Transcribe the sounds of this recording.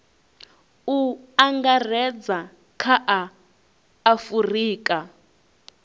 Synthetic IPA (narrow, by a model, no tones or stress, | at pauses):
uaŋɡarɛd͡za | kʰaʔaː | furiːkʼa